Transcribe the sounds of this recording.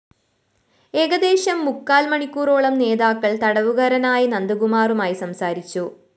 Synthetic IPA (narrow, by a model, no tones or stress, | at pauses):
e̞ːɡɐd̪e̞ːɕɐmːukːaːlmɐɳikʲːuːro̞ːɭɐmne̞ːðaːkːɐɭt̪ɐɽɐʋuɣɐɾɐnaːjɐnɐnd̪ɐɡumaːrumaːjisɐmsaːɾit͡ɕːu